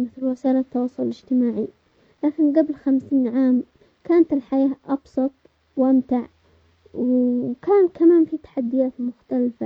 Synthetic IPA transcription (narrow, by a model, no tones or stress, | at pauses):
mɪθlwɪsaːlat̪ːɑwɑːsˤʊlɪd͡ʒt̪ɪmaːʕi | laːkɪnɡablxamsiːnʕaːm | kaːnat̪ɪlħajaːʔɑbsˤɑt̪̚ˤ | wʔamt̪aʕ | wkaːnkamaːnfit̪ḁħad̪ːɪjaːt̪mʊxt̪alfa